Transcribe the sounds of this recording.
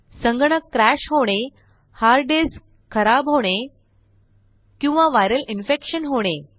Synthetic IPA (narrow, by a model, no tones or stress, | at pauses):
sə̃ŋɡɳəkːɾæɕɦoɽ̃e | haɾɖes | kʰəɾabɦoɽ̃e | kĩw̃ʋaʋajɾəlinfekɕənɦoɽ̃e